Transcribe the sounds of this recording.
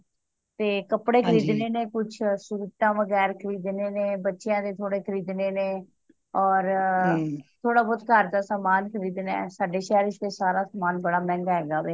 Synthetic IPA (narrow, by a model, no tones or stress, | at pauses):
t̪eːkəpɽeːkʰəɾiːd̪neːneːkʊt͡ʃʰsuːt̪ãːʋəɡɛːɾkʰəɾiːd̪neːneːbətːʃejãːd̪eːt̪ʰoːɽeːkʰəɾiːd̪neːneː | ɔːɾ | t̪ʰoːɽaːbɔːd̪kəɾd̪aːsaːmaːnkʰəɾiːd̪nɛ̰ːsaːɖeːʃɛːɾɪʃd̪eːsaːɾaːsaːmaːnbəɽaːmɛ̃ːŋɡɦɛːɡaːʋeː